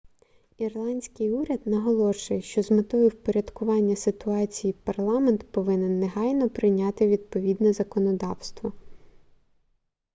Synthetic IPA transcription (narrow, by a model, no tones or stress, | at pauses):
irlˠɑnʲsʲkɪjuɾʲɐd̪nɐɦɔlˠɔʃʊjɛʃt͡ʃɔzmɪt̪ɔjiwpɔɾʲɐd̪kʊʋɑnʲːɐsɪt̪ʊɑt͡sʲijipɐrlˠɑment̪pɔʋɪnɛnːeɦɑjnɔpɾɪnʲɑt̪ɪʋʲid̪̚pɔʋʲid̪nɛzɐkɔnɔd̪ɑwst̪ʋɔ